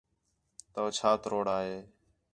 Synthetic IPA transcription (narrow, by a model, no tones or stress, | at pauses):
t̪əʋt͡ʃʰaːt̪ɾoːɽaːɦeː